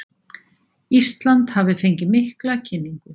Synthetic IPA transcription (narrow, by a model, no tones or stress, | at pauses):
ist̪lant̪havɪfejɲcɪmɪhklacʰɪnːiŋkʏ